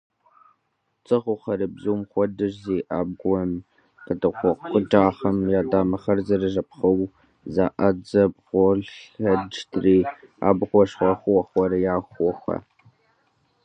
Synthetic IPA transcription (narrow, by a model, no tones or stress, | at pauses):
t͡sʼɨʁʷʊχɐɾɨbzuwmχʷɔdɨʒziːʔaːb̚ɡʷɔm | qədɐqʷɔqqʷəd͡ʒaːχɐmjaːdaːmɐχɐrzɐrɨʒɐpχɐw | zaːʔɐd͡zɐbʁʷɔɮɬɐd͡ʒtʰriːa̰ːbʁʷɔʂχɐχʷwɐχʷɔɾɐjaːxʷɔxʷɐ̰